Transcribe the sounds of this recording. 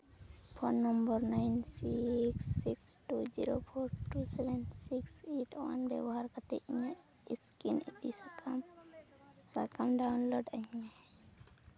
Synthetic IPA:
pʰonːɔmbəɾnaɪnsiksːiksʈud͡ʒḭɾopʰoːɾʈusɛʋɛnsikseʈwa̰nbɛ̰wɦaɾkat̪ḛʔiɲa | ɪskinit̪im | sakamɖaʊnloːɖãe

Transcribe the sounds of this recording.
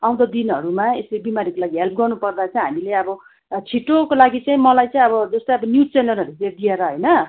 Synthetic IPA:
aw̃d̪ʌd̪inʌɾumaeslebimaɾikolaɡiɦelp̚ʰɡʌrnupʌrd̪at͡sʌĩɦamileʌbʌ | t͡sʰiʈokolaɡit͡saĩmʌlajt͡saĩʌbʌd͡zʌst̪ʌjʌbʌnjut͡senʌrɦʌɾut͡sed̪ieɾʌɦʌjnʌ

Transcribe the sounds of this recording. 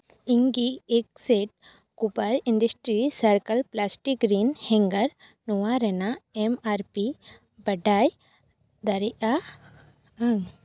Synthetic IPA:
iŋɡiek̚seʈ̚ | kupəɾiɳɖəsʈɾisəɾkəlplasʈik̚ɡɾiːnhɛ̃ŋɡəɾ | nɔwaɾɛnaemaɾpi | bɐɖaj | d̪ɐɾiʔa | aŋ

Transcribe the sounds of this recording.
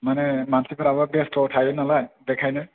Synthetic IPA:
manemansipʰaɾabɔɡestɔʈʰajunalajd̪ekʰajnɯ

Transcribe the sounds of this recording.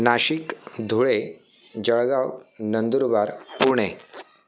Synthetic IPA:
naɕikd̪ʱuɭe | d͡ʑəɭɡawnənd̪uɾbaɾpuɾɳe

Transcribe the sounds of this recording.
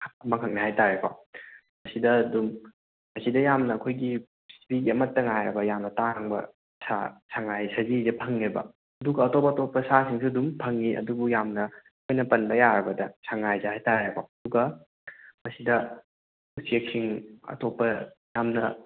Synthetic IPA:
ɐmɐŋʰkʰɐk̚nahajtaɾekʰo̰ | mɐsidɐdum | mɐsidɐjamnɐːkʰojɡi | sbiɡiɐmɐtːɐŋajɾɐbɐjamnɐtaŋbɐ̰ | sa̰saŋajsɐzizɐpʰɐŋebɐ̰ | ɐduɡɐːtopɐːtopːɐsasiŋsʰudumpʰɐŋiʔɐ̰dubujamnɐ | kʰojnɐpɐnbɐjaɾɐbɐdɐsaŋajzahajtaɾekʰo̰ɐduɡɐ | mɐsidɐ | usieksʰiŋɐ̰topːɐ | jamnɐ̰

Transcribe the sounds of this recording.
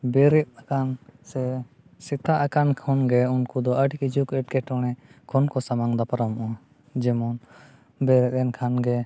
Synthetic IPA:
bɛɾɛt̪̚akansɛ | sɛt̪aʔakankʰɔnɡɛunkud̪ɔʔəʈkid͡ʒukɛʈ̚kɛʈɔɽ̃ɛkʰɔnkɔsamaŋd̪apaɾamʔa | d͡ʒɛmɔn | bɛɾɛt̪̚ɛnkʰanɡɛ

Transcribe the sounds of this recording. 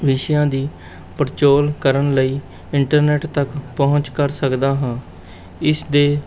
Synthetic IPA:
ʋɪʃjãːd̪iː | pəɾt͡ʃoːlkəɾənləiː | ɪɳʈəɾnɛːʈt̪əkpɔɦʊ̃ɲt͡ʃkəɾsəkd̪aːɦãː | ɪsd̪eː

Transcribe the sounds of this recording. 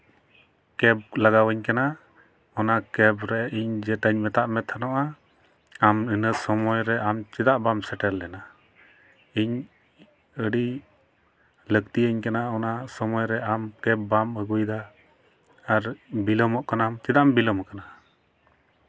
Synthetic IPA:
kɛb̚laɡawəɲkana | ɔnakɛbɾɛiɲd͡ʒɛt̪aɲmɛt̪aʔmɛt̪ʰːanɔʔa | aminəsɔmɔjɾɛʔamt͡ʃɛd̪aʔbamsɛʈɛlːɛna | iɲ | əɖi | ləkt̪iəɲkanaɔnasɔmɔjɾɛʔamkɛbːaməɡujd̪a | aɾbilɔmɔʔkanamt͡ʃɛd̪aʔmbilɔmkana

